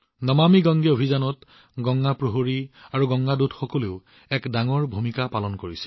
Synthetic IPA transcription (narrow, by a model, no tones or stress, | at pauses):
nɔmamiɡɔŋɡɛobʱizanɔt | ɡɔŋɡapɹoɦoɹiaɹuɡɔŋɡadutxɔkɔleʊ | ɛkdaŋɔɹbʱumikapalɔnkoɹisɛ̥